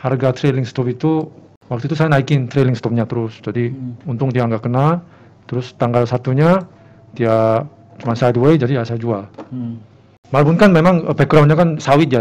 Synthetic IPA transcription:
harɡat̪ɾelɪŋst̪ɔpit̪u | wak̚t̪uit̪usajanaikɪnt̪ɾelɪŋst̪ɔp̚ɲat̪əɾʊsd͡ʒadiunt̪ʊkŋd̪iaəŋɡaʔkənal | t̪əɾʊst̪aŋɡalsat̪uɲa | t̪ia | t͡ʃumansajadued͡ʒadiasajad͡ʒual | maɾapʊnkanmemaŋəpeɡɾawnɲakansawɪt̪̚ja

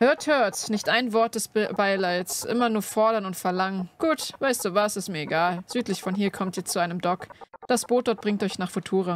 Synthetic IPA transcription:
høːɐthøːɐtnɪçtʔaɪnvɔɐt̚d̥ɛsbaɪlaɪsʔɪ̰mɐnuːɐfɔɐɾɐnʊntfɛɐlaŋənɡ̥uːtvaɪstd̥uːvasɪstmiːɐeɡaːlz̥yːtlɪçfɔnɦiːɐkʰɔmtiɐt͡suʔaɪnəmdɔkd̥asb̥oːt̚d̥ɔɐt̚b̥ʁɪŋtʔɔʏçnaːχfotʰuːʁa

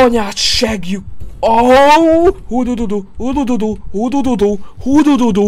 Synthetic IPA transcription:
ɔɲaʃɛɡjuo | hud̪ud̪ud̪uud̪ud̪ud̪uhud̪ud̪ud̪uhud̪ud̪ud̪u

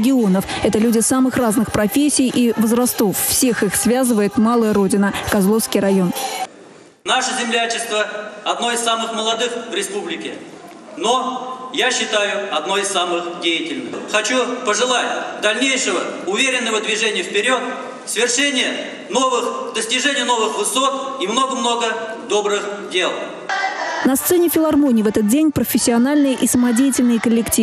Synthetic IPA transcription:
ɡʲɪo̞nəfɛt̪əlʲʉdʲɪsamɨxraznɨxpɾɐfʲesʲːɪjʔivəzrɐst̪o̞fːsʲe̞xɨxsvʲazɨvəjɪt̪malˠəjəɾo̞dʲɪnəkɐzlˠo̞fskʲijɾɐjo̞n | naʂəzʲɪmlʲat͡ɕɪst̪vəɐd̪no̞ɪssamɨxməlˠɐd̪ɨxvɾʲɪspublʲɪkʲɪ | no̞jaɕːɪt̪ajʊɐd̪no̞jɪsamɨxdʲejɪtʲɪlʲnɨxxɐt͡ɕupəʐɨlˠatʲd̪ɐlʲnʲejʂɨvəʊvʲeɾʲɪnːəvəd̪vʲɪʐɛnʲɪjəfpʲɪɾʲo̞t̪ | səvʲɪrʂɛnʲɪjə | no̞vɨxd̪əsʲtʲɪʐɛnʲɪjəno̞vɨxvɨso̞t̪imnoɡəmno̞ɡə | d̪o̞bɾɨxdʲelˠ | nɐst̪sɛnʲɪfʲɪlˠɐrmonʲɪjvɛt̪ət̪̚dʲenʲpɾəfʲɪsʲːɪɐnalʲnɨjəʔisəmɐdʲejɪtʲɪlʲnɨjəkəlʲːɪktʲi

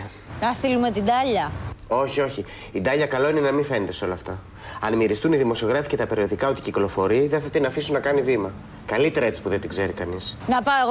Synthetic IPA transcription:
nɐst̪ilume̞t̪id̪ɐʎɐo̞çio̞çi | id̪ɐʎɐkɐlo̞ine̞nɐmife̞net̪e̞seo̞lɐːft̪ɐ | ɐnmiɾist̪uniðimo̞sio̞ɣɾɐfice̞t̪ɐpe̞ɾio̞ðikɐot̪iciklo̞fo̞ɾiðeθɐt̪inɐfisunɐkɐnivimɐ | kɐlit̪e̞ɾɐe̞t͡ssi̥puðe̞nt̪iɡze̞ɾikɐnisnɐpɐeɣ

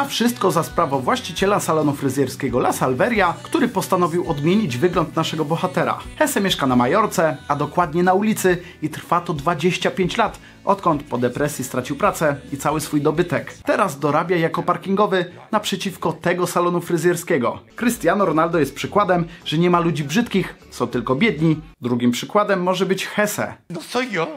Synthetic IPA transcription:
afʂɘst̪kɔzaspɾavɔvwaɕt͡ɕit͡ɕɛlasalɔnufɾɘzʲjɛɾskʲɛɡɔlasalvɛɾʲjakt̪uɾɘpɔst̪anɔvʲiwɔd̪mʲjeɲid͡ʑvɘɡlɔnt̪naʂɛɡɔbɔxat̪ɛɾa̰xɛsɛmʲjɛʂkanamajɔɾt̪sɛad̪ɔkwad̪ɲɛnaulʲit̪sɘ | it̪ɾfat̪ɔd̪vad͡ʑeɕt͡ɕapʲjeɲt͡ɕlat̪ | ʔɔt̪kɔnt̪pɔd̪ɛpɾɛsʲjist̪ɾat͡ɕiwpɾat̪sɛit̪sawɘsfujd̪ɔbɘt̪ɛkt̪ɛɾazd̪ɔɾabʲjajakɔpaɾkʲiŋɡɔvɘnapʂɛt͡ɕifkɔt̪ɛɡɔsalɔnufɾɘzjɛɾskʲɛɡɔ̰kɾɘst̪ʲjanɔɾɔnald̪ɔjɛst̪̚pʂɘkwad̪ɛmʐ̥ɛɲɛmalud͡ʑibʐɘt̪kʲixsɔ̃w̃t̪ɘlkɔbʲjɛd̪ɲid̪ɾuɡʲimpʂɘkwad̪ɛmːɔʐɛbɘt͡ɕxɛsɛ̰nɔɔ

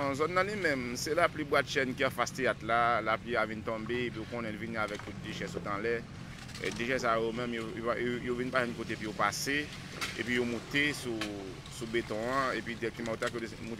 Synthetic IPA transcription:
zɔnːãlimɛ̃msɛlaplibwat̪ʃɛnkiãfast̪eat̪lalapliavint̪ɔ̃beepiokɔ̃nɛ̃lviniavɛk̚t̪ut̪̚d̪eʃɛsut̪ãlɛ̰ | d̪eʃɛsajomɛ̃mjojovinpaʒɛ̃nkot̪eepijopase | ḛpɥijomũt̪esu | subet̪ɔ̃ãepɥid̪ɛk̚timãot̪akjo | mũ

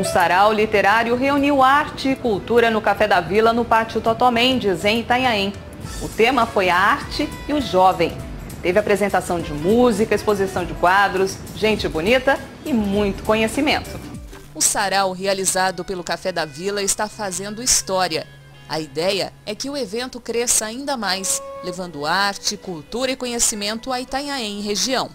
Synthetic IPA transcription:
ũsaɾawlit̪eɾaɾjʊɦeuniwaɾt͡ʃɪːkuwt̪uɾɐnʊkafɛd̪ɐvilɐnʊpaɾt͡ʃiʊt̪ot̪omẽd͡ʒɪzẽj̃t̪aɲaĩ | ʊt̪ẽmɐfojɐaɾt͡ʃɪ | ɪʊʒɔvẽj̃ | t̪evɪapɾezẽnt̪asɐ̃w̃d͡ʒɪmuzikɐispozisɐ̃w̃d͡ʒɪkwad̪ɾʊs | ʒẽnt͡ʃɪbonit̪ɐ | ɪmũj̃t̪ʊ̥kõɲesimẽnt̪ʊ | ʊsaɾawɦializad̪ʊpelʊkafɛd̪ɐvilɐɪst̪afazẽnd̪ʊist̪ɔɾiɐ | ɐid̪ɛjɐ̰ɛkɪʊevẽnt̪ʊkɾɛsɐaĩnd̪ɐmajslevɐ̃nd̪ʊaɾt͡ʃɪkut̪uɾɐɪkõɲesimẽnt̪ʊait̪aɲaẽɦeʒiɐ̃w̃

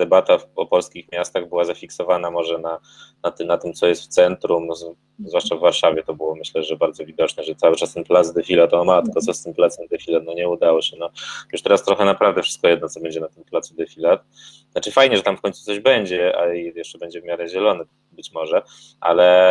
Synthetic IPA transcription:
d̪ɛbat̪afɔpɔlskʲixmʲjast̪aɣbɘwazafʲiksɔvanamɔʐɛna | nat̪nat̪ɘmt̪sɔjɛst̪ft̪sɛnt̪ɾum | zvwaʂt͡ʂavːaɾʂavʲjɛt̪ɔbɘwɔmɘɕlɛʐɛbaɾd̪zɔvʲid̪ɔt͡ʂnɛʐɛt̪sawɘt͡ʂast̪ɛnplazd̪ɛfʲilat̪ɔmat̪ɘkɔt̪sɔst̪ɘmplat̪sɛmd̪ɛfʲilat̪̚nɔɲɛud̪awɔɕɛnɔjuʂt̪ɛɾast̪ɾɔxɛnapɾavd̪ɛfʂɘ̥st̪̚kɔjɛd̪nɔt̪sɔbɛɲd͡ʑɛnat̪ɘmplat̪sud̪ɛfʲilat̪̚ | at͡ʂɘfajɲɛʐɛt̪amfkɔɲt̪su̥t̪sɔʑbɛɲd͡ʑɛa̰ijɛʂt͡ʂɛbɛɲd͡ʑɛvmʲaɾɛʑɛlɔnɛ | bɘt͡ɕmɔʐɛ | ʔa̰lɛ

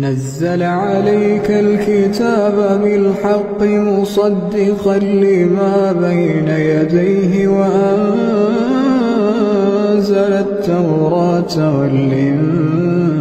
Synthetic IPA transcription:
nazːalʕalajkalkɪt̪aːbabɪlħɑqːɪmʊsˤɑd̪ːɪqɑlːiːmaːbajnajad̪ajɦɪwaʔann | zalat̪ːawɾˤɑːt̪ | walʔɪm

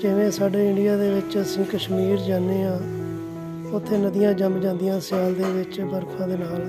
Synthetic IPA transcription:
d͡ʒɪʋẽːsaːɖeːɪɳɖijaːd̪eːʋɪt͡ʃəsĩːkəʃmiːɾd͡ʒaːnːeːãː | ʊt̪ʰːeːnəd̪ɪjãːd͡ʒəmd͡ʒãːnd̪ɪjãːsɪjaːld̪eːʋɪt͡ʃbəɾkʰãːd̪eːnaːl

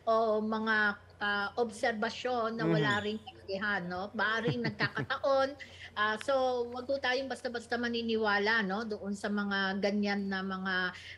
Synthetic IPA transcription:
ʔomɐŋa | ʔaʔobsɛɾbɐʃo̞nːɐwɐlaːɾɪŋkɐlɐɡɪɦanːo̞mɐʔaːɾɪŋnɐɡ̚kaːkɐt̪ɐʔo̞nʔaːso̞wɐɡ̚hut̪aːjoŋbɐst̪ɐbɐst̪ɐmɐninɪwaːlɐno̞d̪ʊʔonsɐmɐŋaɡɐɲːanːɐmɐŋa

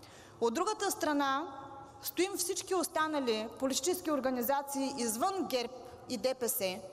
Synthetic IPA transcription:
od̪ːɾuɡət̪əst̪ɾɐna | st̪oimfsit͡ʃkiost̪anəlʲipolit̪i̥t͡ʃɛskioɾɡɐnizat̪siːʔizvənɡɛɾp | id̪ɛpɛsɛ

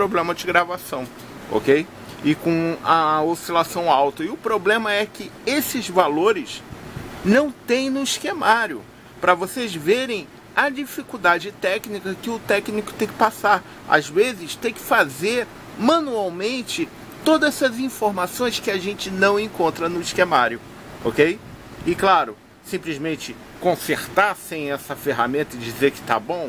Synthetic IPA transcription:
pɾoblẽmɐd͡ʒɪɡɾavasɐ̃w̃ | o̰kej | ɪkõɐosilasɐ̃w̃awt̪ɐɪʊpɾoblẽmɐɛkɪesɪzvaloɾɪs | nɐ̃w̃t̪ẽj̃nʊiskemaɾjʊ̰ | pɾɐvosezveɾẽj̃ | ɐd͡ʒifikuwd̪ad͡ʒɪt̪ɛknikɐkɪʊt̪ɛknikʊ̥t̪ẽj̃kɪ̥pasaɾ | a̰zvezɪst̪ẽj̃kɪ̥fazeɾ | mɐ̃nuawmẽnt͡ʃɪ | t̪od̪ɐsɐzĩfoɾmasõj̃skɪaʒẽnt͡ʃɪnɐ̃w̃ẽŋkõnt̪ɾɐnʊiʃkemaɾjʊ | o̰kej | ɪklaɾʊ | sĩplizmẽnt͡ʃɪ | kõseɾt̪asẽj̃ɛsɐfeɦa̰mẽnt̪ɐɪd͡ʒizeɾkɪ̥t̪a̰bõw̃

